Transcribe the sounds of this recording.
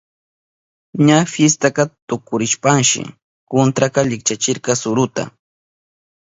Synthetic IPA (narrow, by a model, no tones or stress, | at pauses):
ɲafjest̪akɑt̪ʊkʊɾɪʃpaŋʃɪ̰ | kont̪ɾakɑʎɪkt͡ʃat͡ʃɪɾkɑsʊɾʊt̪a̰